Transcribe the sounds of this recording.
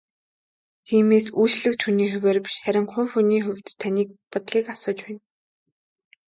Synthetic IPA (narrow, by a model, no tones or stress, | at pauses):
t̪ʰiːmeːsujt͡ɕɮɘ̆kt͡ɕʰxuniːxʊwʲeːrpi̥ʃχæɾʲɪ̆ŋχʊjxuniːxʊwʲt̪ʰːaniːk̚pʊt̪ɮiːkasʊːt͡ɕpæːn